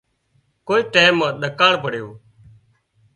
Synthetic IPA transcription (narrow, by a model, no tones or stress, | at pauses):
koːiːʈeːmːãːɗ̪əkaːɳpəɽjoː